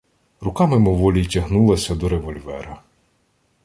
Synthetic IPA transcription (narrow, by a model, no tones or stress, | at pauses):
rʊkɑmɪmɔʋɔlʲijtʲɐɦnulˠɐsʲɐd̪ɔɾeʋɔlʲʋɛ̰ɾɐ